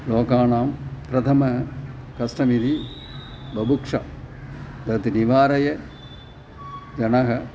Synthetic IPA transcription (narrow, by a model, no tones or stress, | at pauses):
loːkaːnaːmpɾɐt̪ʰɐmɐ | kɐsʈɐmid̪i | bɐbukʂɐ̰ | d̪ɐt̪iniʋaːɾɐjɐ | d͡ʒɐnɐɦɐ